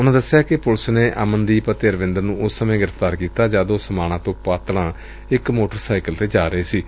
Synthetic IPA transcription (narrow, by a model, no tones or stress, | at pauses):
ʊnãːd̪əsːɪjaːkɪpʊlsneːʔa̰mənd̪iːpət̪ːəɾʋɪ̃nd̪əɾnũːʊsːəmẽːɡɪɾəft̪aːɾkiːt̪aːd͡ʒaːd̪oːsəmaːɽ̃ãːt̪õːpaːt̪ɽãː | ɪkmoːʈəɾsaːɪkəlt̪eːd͡ʒaːɾəeːsiː